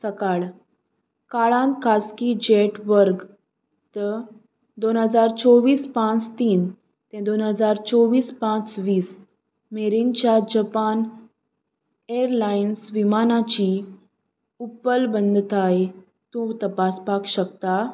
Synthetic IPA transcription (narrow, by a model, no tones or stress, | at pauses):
səkaɭ | kaɭãnkʰaskid͡ʑeʈʋəɾɡ | t̪ə | d̪onɦəd͡zaɾt͡sɔʋiːspãt͡st̪iːn | t̪ẽd̪onɦəd͡zaɾt͡sɔʋiːspãt͡sʋiːs | meɾint͡ɕjad͡ʑəpan | eəɾlainsʋimanat͡ɕi | upəlbənd̪ʱt̪aj | t̪ũt̪əpaspakɕəkt̪a